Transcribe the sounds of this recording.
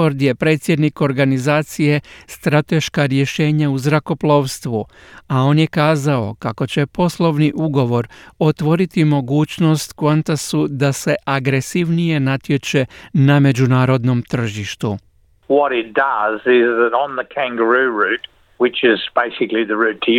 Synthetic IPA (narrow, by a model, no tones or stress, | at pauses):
oɾd̪je̞pɾe̞t̪sʲjed̪niko̞ɾɡanizaːt̪sije̞st̪ɾat̪e̞ʃkaɾje̞ʃe̞ːɲauzɾako̞plˠo̞ʋst̪ʋu | ao̞ːnje̞kaːzao̞̰kako̞t͡ɕe̞po̞slo̞ʋniʔuɡo̞ʋo̞ɾo̞t̪ʋo̞ɾit̪imo̞ɡuːt͡ɕno̞st̪kʋant̪asud̪ase̞ʔaɡɾe̞siʋnije̞nat̪je̞t͡ʃe̞name̞d͡ʒunaːɾo̞d̪no̞mt̪r̩ʒiʃt̪u | wʌɾɪt̚d̥ʌzɪzðɨɾn̩ðəkʰæ̃ŋɡəɹʉɹʉt̚ | wɪt͡ʃɪzb̥eɪsɪkliðɨɹʉtʰ